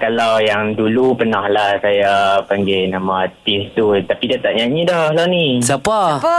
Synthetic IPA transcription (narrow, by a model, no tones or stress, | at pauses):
kalawjaŋdulupənahlahsajapaŋɡenamãːt̪ist̪ut̪apidat̪aʔɲaɲidɔhlanisapa